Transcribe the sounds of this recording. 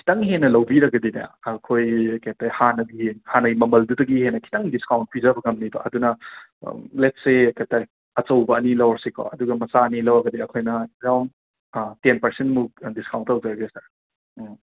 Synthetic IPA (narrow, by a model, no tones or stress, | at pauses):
kʰi̥tɐŋɦenːɐlɐwbiɾɐɡɐdinɐ̰ːkʰojkatahanɐɡihanɐɡjmɐmɐldudɐɡihenɐkʰi̥tɐŋdiskawnt̚pʰizɐbɐɡɐmnibɐ̰ʔɐdunɐ̰ | letsekʰataj | ɐt͡ʃɐwbɐːnilɐwɐɾsikʰo̰ɐduɡɐmɐsaɐnilɐwɐɡɐdiɐkʰojnɐɾawn | tenpɐɾsentmudiskawntɐwzɐɾɐɡesɐɾ